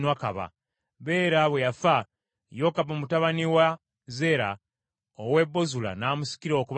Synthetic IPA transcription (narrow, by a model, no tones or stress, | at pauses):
nwakaβa̰ | βe̞ːɾaβwejafa | jo̞kaβomutaβaniwa | ze̞ɾa̰ | owe̞bːo̞zula̰naːmusi̥kiɾo̞ːkuβ